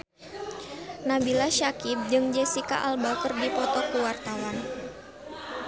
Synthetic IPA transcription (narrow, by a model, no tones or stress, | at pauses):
nabilaʃakip̚d͡ʒɨŋd͡ʒɛsika̰ʔalbakərdipɔt̪ɔkuwart̪awan